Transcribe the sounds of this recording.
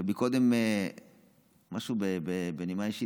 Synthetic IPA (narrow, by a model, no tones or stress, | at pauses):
bikod̪eme | maʃubebebenimaiʃi